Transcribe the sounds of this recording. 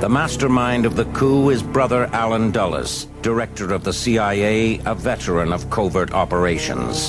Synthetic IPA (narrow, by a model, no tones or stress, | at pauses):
ðəmæstə˞mãɪ̃ndʌvðɨkʰuɪzbɹʌðə˞ʔælˠə̃ndʌlˠə̰s | d̥ə˞ɛk̚tə˞ʌvðəsiaɪeɪəvɛɾə˞ɨ̃nʌv̥kʰoʊvə˞ɾɑpə˞eɪʃɨ̰̃nz̥